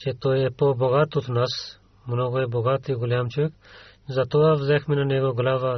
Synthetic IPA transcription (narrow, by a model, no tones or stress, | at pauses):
t͡ʃɛt̪ojɛpoboɡat̪ot̪nas | mnɔɡoɛboɡat̪iɡʊlʲjamt͡ʃoʋɛk | zɐt̪oʋavzɛxmɛnanɛɡoɡlava